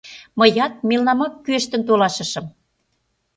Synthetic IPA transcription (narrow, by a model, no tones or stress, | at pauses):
mə̆jɑt̪̚melnɑmɑkːyeʃt̪ə̆nt̪olɑʃə̆ʃɤ̆m